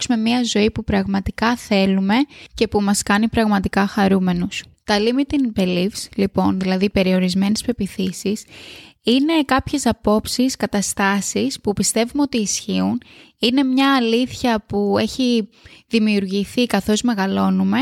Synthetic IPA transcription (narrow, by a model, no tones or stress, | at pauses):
sume̞miɐzo̞ipupɾɐɣmɐt̪ikɐθe̞lume̞ce̞pumɐskɐnipɾɐɣmɐt̪ikɐxɐɾume̞nust̪ɐlimit̪inpelifslipo̞nðilɐðipe̞ɾio̞ɾizme̞nespe̞piθisisine̞kɐpçe̞sɐpo̞psiskɐt̪ɐst̪ɐsispupist̪e̞vumeo̞t̪iːsçiun | ine̞mɲɐːliθçɐpue̞çi | ðimiuɾʝiθikɐθo̞zme̞ɣɐlo̞nume̞